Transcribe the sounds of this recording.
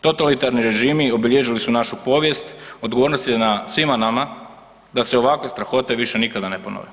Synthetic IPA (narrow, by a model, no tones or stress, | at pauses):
t̪o̞t̪alit̪aɾniɾe̞ʒiːmio̞biʎeʒilisunaʃupo̞ʋje̞st̪o̞d̪ɡoʋo̞ːɾnost̪jnasʋimanama | d̪aseo̞ʋakʋe̞st̪ɾaxo̞t̪e̞ʋiʃe̞nikad̪anepono̰ʋe